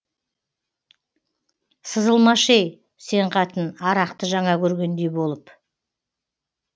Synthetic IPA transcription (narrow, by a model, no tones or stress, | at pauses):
səzəlˠmɑʃej | se̞ɴqʰɑt̪ənɑɾɑqt̪əʒɑɴɑkʲʰɵɾɡʲe̞nd̪e̞jbo̞lˠəp